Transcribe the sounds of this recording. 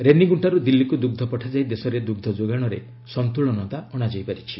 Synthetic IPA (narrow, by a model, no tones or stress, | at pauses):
ɾeniɡuɳʈaɾud̪ilːikud̪uɡ̚d̪ʱɔpɔʈʰad͡ʒajd̪esɔɾed̪uɡ̚d̪ʱɔd͡ʒoɡaɽ̃ɔɾḛ | sɔnt̪uɭ̃ɔnɔt̪aɔɽ̃ad͡ʒajpaɾit͡ʃʰi